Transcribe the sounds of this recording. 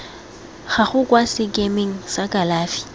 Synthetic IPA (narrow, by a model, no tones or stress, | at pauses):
χaχʊkwasɪkʼemeŋ̩sakʼalaːfi̥